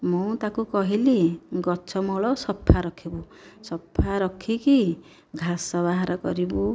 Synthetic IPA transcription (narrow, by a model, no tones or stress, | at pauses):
mũt̪akukɔɦiliɡɔt͡ʃʰɔmɔɭɔsɔpʰːaɾɔkʰibu | sɔpʰːaɾɔkʰiki | ɡʱasɔbaɦaɾɔkɔɾibu